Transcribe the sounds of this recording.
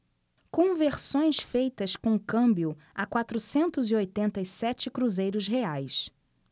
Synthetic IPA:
kõveɾsõj̃sfejt̪ɐskõkɐ̃mbjʊ | akwat̪ɾusẽnt̪ʊziojt̪ẽnt̪ɐisɛt͡ʃɪkɾuzejɾʊzɦeajs

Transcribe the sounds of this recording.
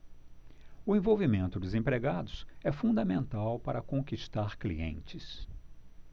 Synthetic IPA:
ʊẽvowvimẽnt̪ʊd̪ʊzẽpɾeɡad̪ʊsɛfũnd̪ɐmẽnt̪awpaɾɐkõkiʃt̪aɾklḭḛ̃nt͡ʃɪs

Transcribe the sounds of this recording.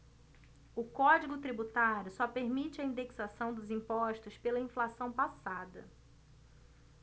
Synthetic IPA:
ʊkɔd͡ʒiɡʊt̪ɾibut̪aɾjʊsɔpeɾmit͡ʃɪɐĩnd̪eksasɐ̃w̃d̪ʊzĩmpɔʃt̪ʊspelɐĩflasɐ̃w̃pasad̪ɐ̰

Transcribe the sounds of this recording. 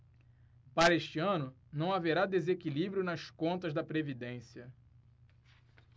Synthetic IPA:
paɾɐeʃt͡ʃiɐ̃nʊ | nɐ̃w̃aveɾad̪ezekilibɾjʊnɐskõnt̪ɐzd̪ɐpɾevid̪ẽsiɐ

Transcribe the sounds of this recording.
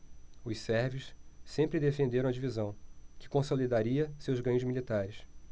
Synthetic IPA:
ʊʃsɛɾvʊssẽmpɾɪd̪efẽnd̪eɾɐ̃w̃ɐd͡ʒivizɐ̃w̃kɪ̥kõsolid̪aɾiɐsewzɡɐ̃ɲʊzmilit̪aɾɪs

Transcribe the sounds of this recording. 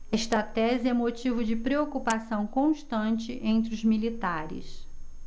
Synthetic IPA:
ɛʃt̪ɐt̪ɛzɪɛ̃mot͡ʃivʊd͡ʒɪpɾeokupasɐ̃w̃kõʃt̪ɐ̃nt͡ʃɪʔẽnt̪ɾɪʊzmilit̪aɾɪ̰s

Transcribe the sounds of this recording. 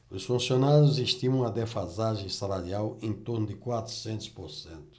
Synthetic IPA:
ʊsfũsionaɾjʊziʃt̪ĩmɐ̃w̃ɐd̪efazaʒẽsalaɾiawẽnt̪oɾnʊd̪ɪkwat̪ɾu̥sẽnt̪ʊ̥spoɾsẽnt̪ʊ̥

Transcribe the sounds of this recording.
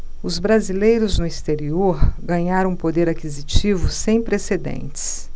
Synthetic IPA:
ʊzbɾazilejɾʊznʊist̪eɾioɾɡɐ̃ɲaɾɐ̃w̃pod̪eɾakizit͡ʃivʊsẽj̃pɾesed̪ḛ̃nt͡ʃɪ̥s

